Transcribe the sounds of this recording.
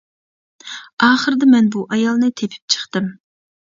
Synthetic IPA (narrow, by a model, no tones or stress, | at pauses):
ɑːχəɾɨd̪ɨmɛnbuʔɑjɑlˠnɨt̪ʰepʰɪ̥p̚t͡ʃʰə̥χt̪ɨm